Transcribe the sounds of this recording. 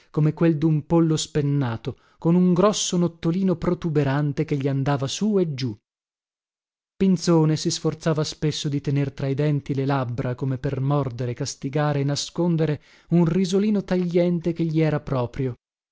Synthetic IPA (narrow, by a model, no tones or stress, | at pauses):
komekweld̪umpolːospenːaːt̪o | konuŋɡɾɔsːonot̪ːoliːnopɾot̪ubeɾant̪ekeʎːiand̪aːvasued͡ʒu | pint̪soːnesisfort̪saːvaspesːod̪it̪enert̪ɾaid̪ɛnt̪ilelabɾakomepermɔrd̪eɾekast̪iɡaːɾeːnaskond̪eɾe | unrizoliːnot̪aʎːɛnt̪ekeʎːiɛːɾapɾɔːpɾjo